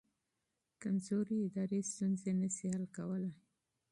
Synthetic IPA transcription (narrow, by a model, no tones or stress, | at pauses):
kanzoɾiɪd̪ɑɾest̪unzenəʃihalkawəla